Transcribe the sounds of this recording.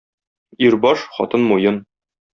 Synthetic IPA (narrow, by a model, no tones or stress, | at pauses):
iɾbɒʃχɒ̰t̪ɤnmujɤn